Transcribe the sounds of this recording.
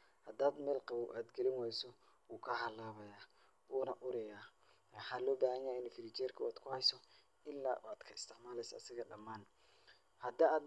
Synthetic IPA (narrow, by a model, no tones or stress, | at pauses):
hɐd̪aːd̪mɛːlqɑβɐwʔaːd̪ɡɛlɪnwɛjsɔ | wuːkʰɐɦɐlaːβɐjaː | wuːnɐʔʊɾɛjaː | wɑħaːlɔːbaːhɐɲaːɪnfɪɾit͡ʃɛːrkʰɐaːd̪kʰʊhɛjsɔ | ɪlːa̰ːaːd̪̥kʰɐɪst̪ʰɪʕmaːlɛjsɐːsɪɣɐɖɐmːaːn | hɐd̪aaːd̪